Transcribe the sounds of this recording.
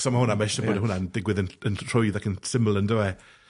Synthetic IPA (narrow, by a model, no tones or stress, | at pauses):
sɔmahʊnamaɪʃaboːdəɦʊnandɪɡwɪðənənʰr̥ʊjðakʰənsɪmlˠəndəɛ